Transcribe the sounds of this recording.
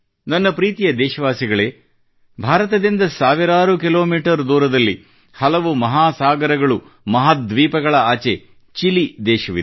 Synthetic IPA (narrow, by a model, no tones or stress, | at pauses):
nɐnːɐpɾiːt̪ijɐd̪ɛːʃɐʋaːsiɡɐɭe̞ː | bʱaːɾɐt̪ɐd̪ind̪ɐsaːʋiɾaːɾukilo̞ːmiːʈɐɾd̪uːɾɐd̪ɐlːi | hɐlɐʋumɐɦaːsaːɡɐɾɐɡɐɭu | mɐɦaːd̪ʋiːpɐɡɐɭɐaːt͡ʃe̞ | t͡ʃilid̪ɛːʃɐʋḭ